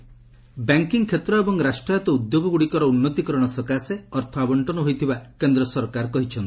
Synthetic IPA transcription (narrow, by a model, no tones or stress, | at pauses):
baŋkiŋkʰːet̪ɾɔebɔŋɾasʈɾajɔt̪ɔud̪joɡɔɡuɽikɔɾɔunːɔt̪ikɔɾɔɽ̃ɔsɔkaseɔɾt̪ʰɔabɔɳʈɔnɔɦojt̪ʰibakend̪ɾɔsɔɾkaɾkɔɦit͡ʃʰɔnt̪i̥